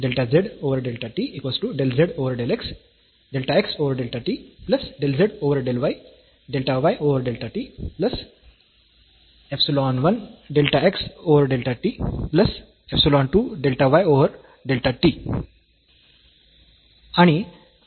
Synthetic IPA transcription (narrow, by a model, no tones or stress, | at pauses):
ɖelʈazeɖoʋəɾɖelʈaʈiikɔsʈuɖelzeɖoʋəɾɖeleks | ɖelʈaeksoʋəɾɖelʈaʈiplɐsɖelzeɖoʋəɾɖelʋaj | ɖelʈaʋajʔoʋəɾɖelʈaʈiplɐs | epsiloɔnʋənɖelʈaeksoʋəɾɖelʈaʈiplɐs | epsilɔ̃nʈuːɖelʈaʋajoʋəɾ | ɖelʈaʈi | añi